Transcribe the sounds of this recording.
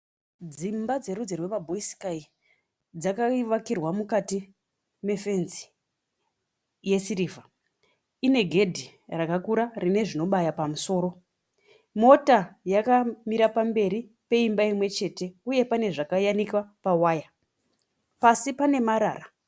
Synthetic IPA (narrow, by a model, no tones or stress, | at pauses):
d͡zimbad͡ze̞ɾud͡ze̞rwe̞mabʱo̞isi̥kai | d͡zakaiʋakirwamukati | me̞fe̞nzi̥ | je̞siriːva | ine̞ɡʱe̞dʱi | rakakuɾarine̞ʐino̞ɓajapamuso̞ːɾo̞ | mo̞tajakamiɾapambe̞ɾi | pe̞imbaimwe̞t͡ʃe̞te̞uje̞pane̞ʐakajanikwapawaːja | pasipane̞maɾa̰ːra